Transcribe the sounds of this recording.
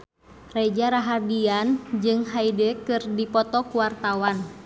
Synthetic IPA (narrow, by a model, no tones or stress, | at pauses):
rɛd͡ʒaɾaɦadiand͡ʒɨŋɦaidɛkɨrdipɔt̪ɔkuwart̪awan